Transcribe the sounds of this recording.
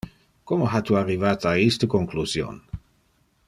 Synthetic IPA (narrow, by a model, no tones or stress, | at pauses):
komoɦat̪uarːivaːt̪aist̪əkoŋkluzjo̰ːn